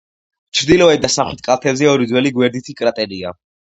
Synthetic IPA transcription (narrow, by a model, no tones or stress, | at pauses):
t͡ʃʰɾd̪ilɔvɛd̪̚d̪asaχwit̪̚ʰkʼalˠt̪ʰɛbzɛɔɾid̪zwɛliɡwɛɾd̪it̪ʰikʼɾat̪ʼɛɾia